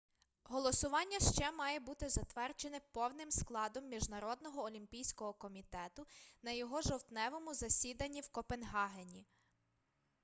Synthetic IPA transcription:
ɦɔlˠɔsʊʋɑnʲːɐʃt͡ʃɛmɑjɛbut̪ɪzɐt̪ʋɛrd͡ʒenɪpɔwnɪmsklˠɑd̪ɔmːʲiʒnɐɾɔd̪nɔɦɔːlʲimpʲijsʲkɔɦɔkɔmʲit̪ɛt̪ʊnɐjɔɦɔʒɔwt̪nɛʋɔmʊzɐsʲid̪ɐnʲːiwkɔpenɦɑɦenʲi

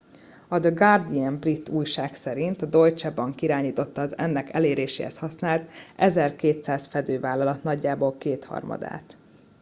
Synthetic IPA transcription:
ɒd̪əɡɒrd̪iɛmbrit̪ːuːjʃaːksɛɾint̪ɒd̪o̞jt͡ʃɛbɒŋkiɾaːɲiːt̪o̞t̪ːɒːzɛ̰nːɛkɛleːɾeːʃḛːhɛ̰shɒsnaːlt̪ʔɛzɛrkeːt̪saːzfɛd̪øːvaːlːɒlɒt̪nɒɟːaːbolkeːt̪hɒ̰rmɒ̰d̪a̰ːt̪

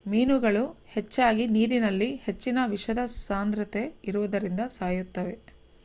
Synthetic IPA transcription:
miːnuɡɐɭuhe̞t͡ʃːaːɡiniːɾinɐlːihe̞t͡ʃːinɐʋiʂɐd̪ɐsaːnd̪ɾɐt̪e̞iɾuʋɐd̪ɐɾind̪ɐsaːjut̪ːɐʋe̞

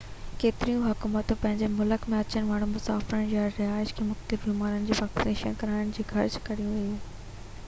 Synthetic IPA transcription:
keːt̪ɪɾijũɦʊkuːmət̪pɐ̃ɦɪɲd͡ʑemʊləkmẽɐt͡ɕənɪ̆ʋaːɽ̃ũmʊsaːfɪɾənɪjaːɾɪɦaːɪʃkʰeːmʊxt̪ɪɾbiːmaːɾənɪ̆d͡ʑeːpaːksɪneːʃənkɐɾaːɪñɪ̆d͡ʑiːxʰɐɾd͡ʑkɐɾijũʋɐjuː

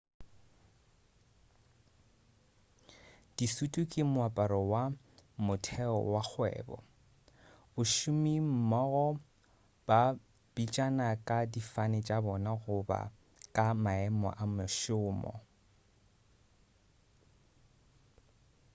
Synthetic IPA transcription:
d̥isutʼukʼimʊapʼaɾɔwa | mʊtʰɛɔ̰wak͡xʰwɛ̰ːbɔ̰ | ʊʃʊmim̩mɔɣɔ | b̥a | b̥it͡ʃʼanakʼadifanɪt͡ʃʼabɔnaɣʊba̰ | kʼamaɛmɔ̰ʔamʊʃʊːmɔ̰

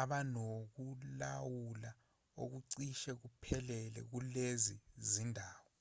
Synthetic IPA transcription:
aɓanok̬ulawula | o̰k̬uǀiʃɛk̬upʰɛlɛlɛ̰k̬ulezizindʱaːwɔ

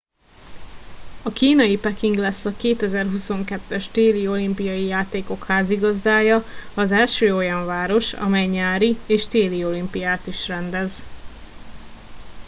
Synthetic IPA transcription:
ɒkiːnɒjipɛkiŋɡlɛsːɒkeːt̪ɛzɛrɦuso̞ŋkɛt̪ːɛʃt̪eːlio̞limpijɒjijaːt̪eːko̞khaːziɡɒzd̪aːjɒɒzɛlʃøːo̞jɒɱvaːɾo̞ʃɒ̰mɛjɲaːɾieːʃt̪eːlio̞limpijaːt̪iʃrɛnd̪ɛz

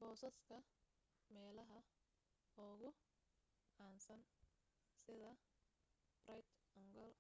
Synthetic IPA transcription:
b̥ɔːsɐskʰɐ | mɛːlɐɦɐ | ɔːɣʊ | ʕaːnsɐn | sɪðɐ | b̥rɐjt̪ɔŋɡɔl

